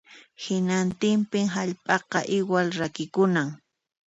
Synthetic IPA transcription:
hɪnant̪ɪmpɪŋɦaʎpʼɑqɑʔɪwalɾakɪkʊnaŋ

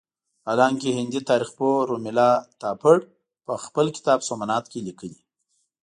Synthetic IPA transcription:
alɑŋkehɪnd̪it̪ɑːɾɪxpoɾomɪlɑt̪ɑpəɽ | pəxpəlkɪ̥t̪ɑbsomanɑt̪kelikəli

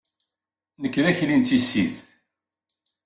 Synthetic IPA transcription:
nəkːɾæçnint̪isːið

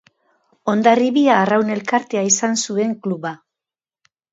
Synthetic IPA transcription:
o̞nd̪ariβiaːrawne̞lkaɾt̪e̞aisansue̞ŋkluβa

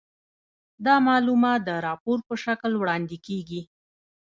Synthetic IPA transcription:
d̪ɑmɑlumɑt̪̚d̪əɾɑpoɾpəʃaklwɽɑnd̪ɪkeɡi

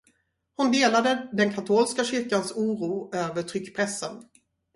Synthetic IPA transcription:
hʊnd̪eːlad̪əd̪ɛnkʰat̪ʰoːlskaɕʏɾkansuːɾuːøːvəʈʰɾʏkːpʰɾɛsːən

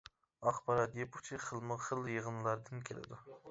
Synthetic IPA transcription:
ɑχbɑɾɑt̪jepu̥t͡ʃʰiχʰəlˠmɨʁχəlˠjəʁnɨlˠɑɾd̪ɨnkʲʰelɪ̰d̪u

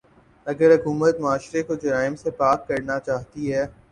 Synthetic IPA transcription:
ɐɡəɾɦʊkuːmət̪mʊaːʃɾekod͡ʒɐɾaːɪmsepaːkkɐɾnat͡ʃaːɦt̪iɦɛː

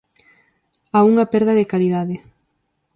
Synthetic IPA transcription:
auŋɐpɛɾðɐðɪkaliðaðɪ

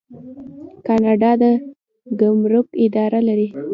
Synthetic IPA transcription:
kɑnɑɖɑd̪ə | ɡamɾʊkɪd̪ɑɾalaɾi

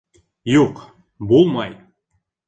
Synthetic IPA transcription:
juq | bolˠmɑj

